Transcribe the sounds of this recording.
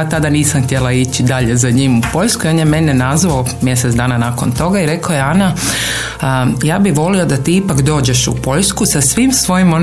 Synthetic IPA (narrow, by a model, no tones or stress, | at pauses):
at̪ad̪aniːsamxt̪je̞lˠait͡ɕid̪aʎe̞zaɲimupo̞ʎʲskuio̞njemenenazʋaomje̞set̪d̪aːnanakont̪o̞ɡaiɾe̞kajeana | jaːbiʋo̞lio̞d̪at̪iːipakd̪o̞ːd͡ʑe̞ʃṵpo̞ʎskusasʋiːmsʋo̞jimo